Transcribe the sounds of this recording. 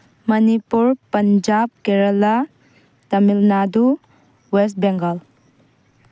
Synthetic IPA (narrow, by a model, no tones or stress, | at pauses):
mɐnipuɾpɐnd͡ʒab̚keɾɐla | tɐmilnadu | wes̬t̚beŋɡəl